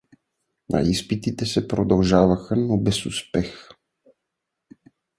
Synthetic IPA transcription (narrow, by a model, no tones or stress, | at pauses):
nʔa̰ispit̪it̪ɛsɛpɾod̪alˠʒavaxanobɛsuspɛx